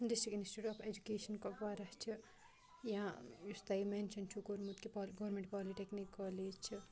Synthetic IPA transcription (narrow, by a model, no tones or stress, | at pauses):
ɖɪstʈɾikminisʈiʈɔːpʰed͡ʒukeːʃɐnkɔʋaːɾɐt͡ʃʰi | jãjust̪aiment͡ʃʰɐnt͡ʃʰukoɾmut̪kipɔlɡɔʋɾmẽɳʈpɔːliʈeknikːɔːleːd͡ʒt͡ʃʰi